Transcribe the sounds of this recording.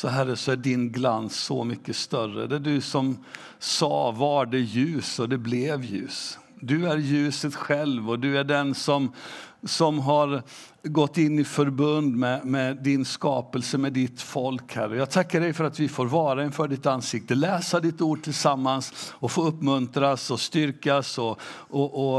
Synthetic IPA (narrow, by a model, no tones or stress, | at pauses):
sɔɦæɾːəsɔæɖɪnɡlansːɔ̰mʏkːəst̪œrə̰d̪æɖɵsɔm | sɑ̰ːvaɖɛjʉ̟ːsɔd̪ɛblɛvjʉ̟̰ːs | d̪ɵæɾjʉ̟ːsət̪ɧɛlvɔd̪ɵæɖɛnsɔmsɔmɦaɾ | ɡɔt̪ːɪnːɪfœɾbɵnd̪mɛmɛd̪ɪnskɑːpəlsəmɛd̪ɪt̪fɔlkhæɾːəjɑːɡ̚t̪ʰakːaɖɛjfœɾat̪vɪfoːɾvɑːɾaɪnfœːɖɪt̪ːansɪk̚t̪əlɛːsad̪ɪt̪ːuːɖ̚ʈʰɪlsamːansɔfoːɵpːmɵnt̪ɾasɔst̪ʏɾkasɔ | ɔʔɔ